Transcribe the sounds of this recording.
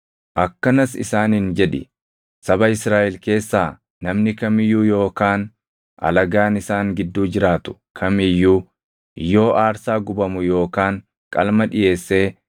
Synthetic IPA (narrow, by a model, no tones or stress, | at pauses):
ʔɐkːɐnɐsɪ̰saːnhɪnd͡ʒɛᶑɪ | sɐbɐɪsɾaːʔɛlke̞ːsːaː | nɐmnɪkɐmɪjːuːjo̞ːkaːn | ʔɐ̰lɐɡaːnɪsaːŋɡɪd̪ːuːd͡ʒɪɾaːt̪ʊ̥kʰɐmɪjːuː | jːo̞ːʔaːɾsaːɡʊbɐmʊjo̞ːkaːŋ | kʼɐ̰lmɐᶑɪje̞ːsːe̞ː